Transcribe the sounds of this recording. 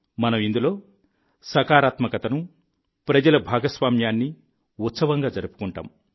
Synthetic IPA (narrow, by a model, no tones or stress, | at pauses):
mɐnɐmind̪ulo̞ː | sɐkaːɾaːt̪mɐkɐt̪ɐnu | pɾɐd͡ʒɐlɐbʱaːɡɐsʋaːmjaːnːi | ut̪sɐʋɐŋɡaːd͡ʒɐɾupu̥kuɳʈa̰ːm